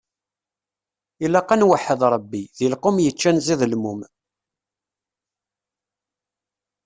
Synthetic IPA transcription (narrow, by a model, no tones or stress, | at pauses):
ilæqːanwaħəðˤɾˤəbːiðilqʊmjət͡ʃːænziðəlmum